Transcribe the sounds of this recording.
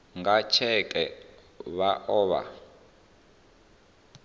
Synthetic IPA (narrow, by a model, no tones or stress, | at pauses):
ŋɡat͡ʃʰɛkʼɛ | βaʔɔːβa̰